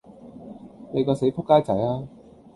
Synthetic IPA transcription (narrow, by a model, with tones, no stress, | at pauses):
ne˨˧jkɔː˧se˨˥jpʰʊ˥kːaː˥jt͡sɐ˨˥jaː˥